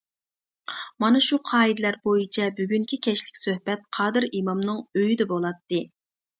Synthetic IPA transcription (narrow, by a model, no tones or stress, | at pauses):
mɑnɨʃuqʰɑːid̪ɪlæɾbojit͡ʃʰɛbyɡʲyŋkʲʰikʲʰɛʃlɪ̥kʲsøhbɛt̪̚qʰɑːd̪ɨɾimɑmnɨŋøjid̪ɛbolˠɑt̪ːɨ